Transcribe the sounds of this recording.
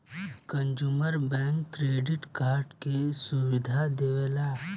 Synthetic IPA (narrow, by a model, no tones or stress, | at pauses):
kə̃nd͡ʒuməɾbɛ̃ːŋkːɾeːɖɪʈkaːɾɖkesuwɪd̪ʱad̪eʋela